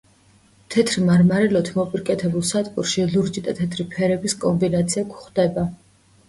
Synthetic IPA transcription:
t̪ʰɛt̪ʰɾimaɾmaɾɛlɔt̪ʰmɔpʼiɾkʼɛt̪ʰɛbulˠsat̪ʼkʼuɾʃiluɾd͡ʒit̪ʼat̪ʰɛt̪ʰɾipʰɛɾɛbiskʼɔmbinat̪sʰiakʷʰχd̪̥ɛba

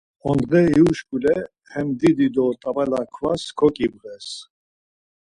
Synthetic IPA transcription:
ɔnd̪ʁɛiuʃkʼulɛ | hɛmd̪id̪id̪ɔt̪ʼabɛlakʰvaskʰɔkʼibʁɛs

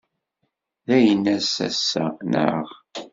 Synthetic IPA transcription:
ðæjənːæsæ̰sːænə̰ʁ

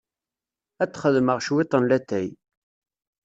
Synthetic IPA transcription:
æt͡sːχəðməʁʃwɪt̪ˤənlæt̪ːæj

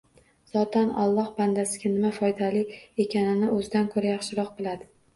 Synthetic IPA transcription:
z̥ɒt̪ʰanɒ̰lˠːɒhband̪asɪɡʲanɪmafɒjd̪alɪe̞kʲʰanɪnɪɵzɪd̪ankʰɵɾajaχʃɪɾɒq̚bɪlad̪ɪ

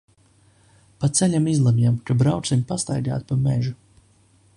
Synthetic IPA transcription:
pat̪sɛlʲamizlˠamʲjamkabɾawt̪simʲpast̪ajɡa̰ːt̪̚pameʒu

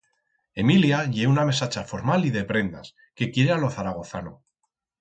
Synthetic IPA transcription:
e̞miljaʎeuname̞sat͡ʃafo̞ɾmaliðe̞pɾe̞nd̪a̰s | ke̞kje̞ɾealo̞θaɾaɣ̞o̞θa̰no

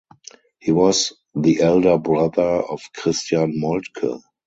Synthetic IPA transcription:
hiːwɔs | ðiʔɛldə˞bɹaðə˞ɔfkʰʁɪstjãnmɔltkʰə̰

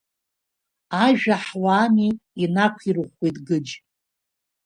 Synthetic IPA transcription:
aʒᶣaħwaːmiinakʷʰirɨχʷejtʼɡɨd͡ʒ

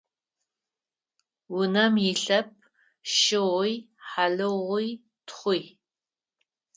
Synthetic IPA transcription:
wʊnɐmjɪɬɐp̚ʰ | ʃɪʁʷʊj | ħaɮɨʁʷʊj | tχʷʊj

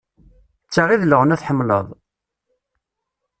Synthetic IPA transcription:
t͡sːaʁiðləʁənæθħəmːlə̰ðˤ

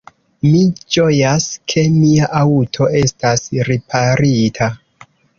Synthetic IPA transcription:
mid͡ʒojaskʰe̞miaʔawutʰo̞ʔe̞stasɾipʰaɾitʰa

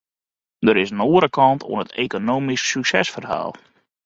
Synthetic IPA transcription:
dəɾɪsnoːəɾəkɑntʰo̰ənətḛkonoːmissyksɛ̰sfərɦa̰ːlˠ

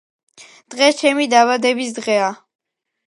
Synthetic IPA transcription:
d̪̥ʁɛst͡ʃʰɛmid̪aβad̪ɛbisd̪ʁɛa

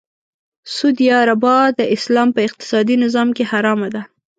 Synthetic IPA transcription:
sud̪ijɑɾabɑd̪əʔɪslɑmpəɪq̚t̪ɪ̥sɑd̪inɪzɑmkehaɾɑmad̪a

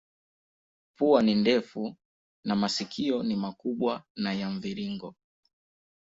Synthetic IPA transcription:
puanindɛfu | namasikʰiɔnimakuɓwanajaɱviɾiŋɡɔ

